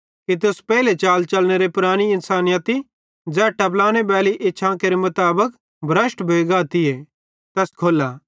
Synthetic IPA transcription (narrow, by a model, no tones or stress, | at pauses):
kit̪ʊspɛːɪlet͡ʃaːlt͡ʃɐlñeɾepʊɾaːɽ̃iɪnsaːnɪjət̪i | d͡zɛːʈɐplaːñebɛːliʔeːt͡ʃʰãːkeɾemʊt̪aːbək | bʱɾəsʈbʱeːɡaːt̪ie | t̪ɛskʰoːlaː